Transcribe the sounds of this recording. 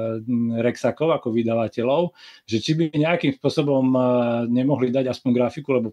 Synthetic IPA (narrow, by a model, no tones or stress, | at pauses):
ɾɛksakɔʊakɔʋid̪aʋacɛlɔʊʒɛt͡ʃibiɲɛakimspʊɔsɔbɔmɲɛmɔɦlid̪aɟaspɔɲɡɾafikulɛbɔ